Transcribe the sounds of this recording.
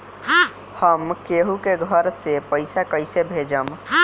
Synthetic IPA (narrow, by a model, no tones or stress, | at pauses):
həmkeɦukeɡʱəɾsepəɪsakəɪsebʱed͡ʒəm